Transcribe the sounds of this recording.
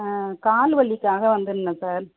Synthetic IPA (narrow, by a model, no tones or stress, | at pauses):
kaːlʋɐɭːɪkːaːɣɐʋɐnd̪ɯnːɐsaːɾ